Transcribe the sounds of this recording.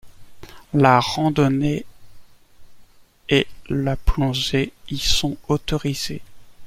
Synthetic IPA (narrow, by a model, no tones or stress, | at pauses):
laʁɑ̃d̪ɔne | elaplɔ̃ʒeisɔ̃ot̪ɔʁiz̥e